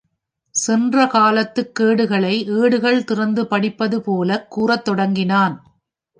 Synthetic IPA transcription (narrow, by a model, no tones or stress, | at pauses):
sɛndrɐkaːlɐt̪ːɯkːeːɽɯɣɐɭɐɪʔeːɽɯɣɐɭt̪ɪrɐnd̪ɯpɐɽɪpːɐðɯpoːlɐkːuːrɐt̪ːɔɽɐŋɡɪnaːn